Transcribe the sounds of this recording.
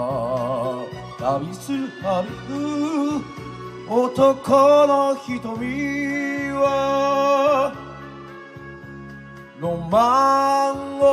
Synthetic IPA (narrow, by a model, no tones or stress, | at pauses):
d̪aɾʲisɨhaɾɯhɯ | ot̪okʰonoçit̪omʲi | βa | nomaŋɡo